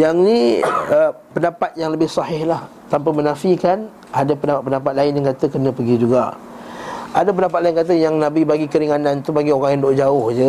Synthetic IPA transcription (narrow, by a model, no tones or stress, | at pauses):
jaŋniə | pəndapat̪̚jaŋləbɪhsɑhɪhlah | t̪ampamənafikan | ʔadapəndapat̪̚pəndapat̪̚laɪnjaŋkat̪əkənə̃pəɡid͡ʒuɡa̰ | adap̬əndapat̪̚laɪnkat̪̬əjaŋnãbibaɡikəɾiŋanãnt̪ubaɡioɾaŋjaŋdoʔd͡ʒaʊhd͡ʒə